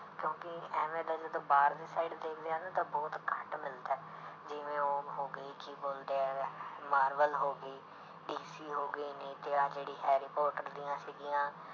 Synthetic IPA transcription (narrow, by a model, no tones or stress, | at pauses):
kjõːkɪɛːmẽːd̪aːd͡ʒəd̪õːbaːɾd̪iːsaːiɖd̪eːkʰd̪eaːnaːt̪ãːbɔːt̪kʰəʈmɪlt̪ɛː | d͡ʒɪʋẽːoːɦoːɡəiːkiboːld̪eːɛːmaːɾʋəlɦoːɡəiː | ɖiːsiːɦoːɡəiːnĩːt̪eːaːd͡ʒeːɽiːɦɛːɾipɔːʈəɾd̪ijãːsiːɡijãː